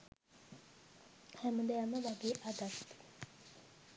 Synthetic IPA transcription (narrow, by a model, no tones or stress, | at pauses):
hɛməd̪ejaməʋaɡeːʔad̪at̪ː